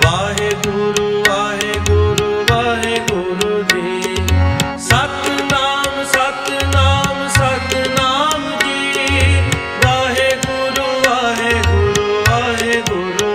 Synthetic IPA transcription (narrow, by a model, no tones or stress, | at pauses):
ʋaːɦeɡʊɾuʋaːɦeɡʊɾuʋaːɦeɡʊɾud͡ʒi | sɐt̪naːmsɐt̪naːmsɐt̪naːmki | ʋaːɦeɡʊɾuʋaːɦeɡʊɾuʋaːɦeɡʊɾu